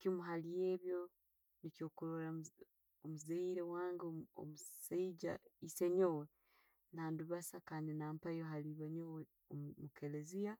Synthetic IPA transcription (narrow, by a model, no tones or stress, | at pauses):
kimuɦalijeːβjo̞ | nicoːkuɾoɾa | omuzeiɾewaːŋɡoo̰museiɟa̰iseɲowe | naːnduβasakaːndinaːmpajoɦaliβaɲowe | omukʰelezija